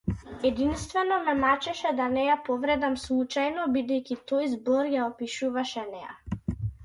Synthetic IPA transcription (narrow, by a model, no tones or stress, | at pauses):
ɛd̪inst̪vɛnɔmɛmat͡ʃɛʃɛd̪anɛjapɔvɾɛd̪amslˠut͡ʃajnɔbid̪ɛjkʲit̪ɔjzbɔɾjaɔpiʃuvaʃɛnɛja̰